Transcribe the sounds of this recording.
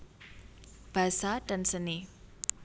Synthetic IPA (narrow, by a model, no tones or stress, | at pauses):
b̥a̤saɖ̥a̤nsəne